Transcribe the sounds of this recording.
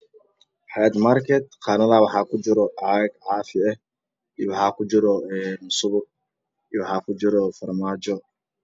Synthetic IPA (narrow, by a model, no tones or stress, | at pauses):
ħɛd̪markʰɛt̪̚qʰɑːnɐðawɑħɑːkʰʊd͡ʒɪɾɔʕɑɡʕɑːfɪɛ | ijwɑħɑːkʰʊd͡ʒɪɾɔɛːmʊsʊβʊ | ijwɑħɑːkʰʊd͡ʒɪɾɔfɐrmaːd͡ʒɔ